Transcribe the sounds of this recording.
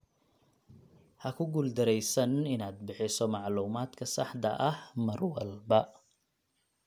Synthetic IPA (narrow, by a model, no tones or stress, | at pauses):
hɐkʰʊɡuld̪ɐɾɛjsɐnɪnaːd̪̚bɪħɪsɔmɑʕluːmaːd̪kʰɐsɑ̰ħd̪ɐʔɐhmɐrwɐlbɐ